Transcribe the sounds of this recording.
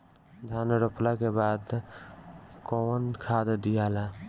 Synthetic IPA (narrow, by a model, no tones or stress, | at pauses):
d̪ʱanɾoplakebad̪ | konkʰad̪d̪ijala